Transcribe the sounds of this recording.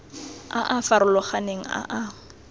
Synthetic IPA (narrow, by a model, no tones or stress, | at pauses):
aʔafaɾʊlɔχaneŋ̩a̰ʔa